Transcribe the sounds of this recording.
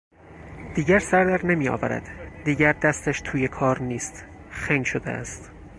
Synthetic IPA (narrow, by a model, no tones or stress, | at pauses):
d̪̥iːɡæɾsæɾd̪æɾnemiːɒ̰ːvæ̰ɾæ̰d̪̥ːiːɟæɾd̪æst̪æʃt̪ʰuːjekʰɒːɾniːst̪ | xæŋɡʃod̪ḛæ̰st̪